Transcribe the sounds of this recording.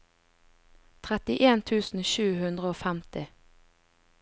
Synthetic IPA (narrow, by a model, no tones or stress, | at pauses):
t̪ʰʁɛt̪ɪʔeːnt̪ʰʉːsn̩ʃʉːhʉnd̪ʁəoːfæmt̪ɪ